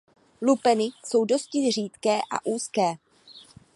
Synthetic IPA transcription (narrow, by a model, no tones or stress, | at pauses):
lupɛnɪso̞wdo̞scɪr̝iːt̪kɛːʔa̰ʔuːskɛː